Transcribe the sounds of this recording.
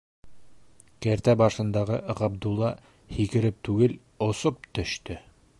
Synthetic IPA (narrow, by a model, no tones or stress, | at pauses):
kæɾt̪æbɑʃɤ̆nd̪ɑʁɤʁɑb̚d̪ulˠːɑ | hikɘ̆ɾɘp̚t̪ʉɡɘl | ŏsop̚t̪ɵ̆ʃt̪ɵ